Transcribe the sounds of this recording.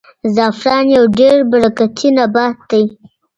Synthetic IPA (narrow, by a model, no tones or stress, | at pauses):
zɑfɾɑnjawɖeɾbaɾakat̪ʰinabɑt̪̚d̪aj